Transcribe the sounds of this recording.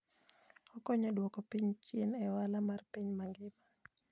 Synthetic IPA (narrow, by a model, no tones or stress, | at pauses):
ɔkɔɲɔdwɔkɔpiɲt͡ʃinɛwalamarpiɲmaŋɡɪma